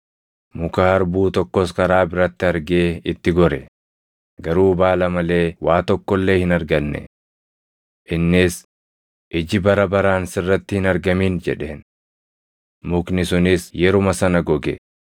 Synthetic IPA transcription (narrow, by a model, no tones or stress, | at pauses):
mʊkaːɐɾbuːt̪ɔkːɔskɐɾaːbɪɾɐt̪ːɪɐɾɡe̞ːɪt̪ːɪɡɔɾɛ | ɡɐɾuːbaːlɐmɐle̞ːwaːt̪ɔkːɔlːe̞ːhɪnɐɾɡɐnːɛ̰ | ʔɪnːɪs | ʔɪd͡ʒɪbɐɾɐbɐɾaːnsɪrːɐt̪ːɪhɪnɐɾɡɐmiːnd͡ʒɛ̰ᶑeːn | mʊknɪsʊnɪsjɛɾʊmɐsɐnɐɡɔɡɛ